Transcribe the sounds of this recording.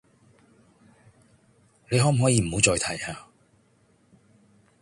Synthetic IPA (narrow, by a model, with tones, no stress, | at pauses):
ne˨˧jɦɔː˨˥m̩˨˩ɦɔː˨˥jiː˨˧m̩˨˩ho˨˧wt͡ʃɔː˧jt̪ʰɐ˨˩jhaː˧